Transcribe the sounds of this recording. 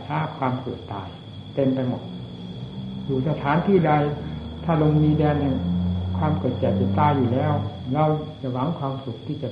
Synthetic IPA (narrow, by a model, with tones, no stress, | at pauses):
aː˧˥˩kʰwaː˧mkɤː˨˩t̪ːaː˨j | t̪e˧mpa˧jmo̰˨˩t̪̚ | juː˨˩sa˧t̪ʰaː˨˦nt̪ʰiː˥˩da˧jt̪ʰaː˥˩lo˧ŋmiː˧dɛː˧nhɛ˧˩ŋkʰwaː˧mkɤː˨˩t̪̚t͡ɕɛː˨˩k̚t͡ɕa˨˩t̪aː˧˩juː˨˩lɛː˦˥˩w | ɾa˧wt͡ɕa˨˩ʔwa˧˥˦ŋkʰwaː˧msu˨˩k̚t̪ʰiː˥˩t͡ɕa˨˩